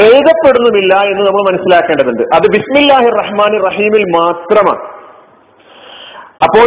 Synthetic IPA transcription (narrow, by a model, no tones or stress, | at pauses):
ejðɐpːe̞ɽunːɐmilːɐe̞nːɨnɐmːɐɭmɐnɐsːilaːkːeːɳɖɐðuɳɖɨʔɐðɨbismilːaːhirːɐħmaːnirːɐɦiːmilmaːt̪rɐma̰ː | ɐpːo̞ː